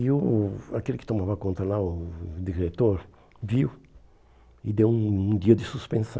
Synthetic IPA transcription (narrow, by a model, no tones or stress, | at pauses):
ɪʊakelɪkɪ̥t̪omavɐakõnt̪ɾɐlaʊd̪iɾet̪oɾ | viw | ɪd̪ewũũd̪iɐd̪ɪsuspẽnsɐ̰̃